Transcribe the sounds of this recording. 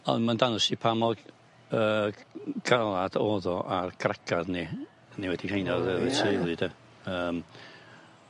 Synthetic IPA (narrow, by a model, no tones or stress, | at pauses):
ɔ̰nmandanʊsipʰamɔɡ | ə | ɡ̥ʰalˠad̥ɔːðɔʔarɡ̥ʰrɛkʰaðni | niwɛdikʰhʰejnaðəətʰejlˠɨd̥ə | əːm